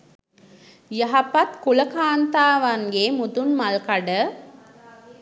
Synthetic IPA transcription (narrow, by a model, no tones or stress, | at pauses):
jaɦapat̪kuləkaːnt̪aːʋaŋɡemud̪unmalkaɖə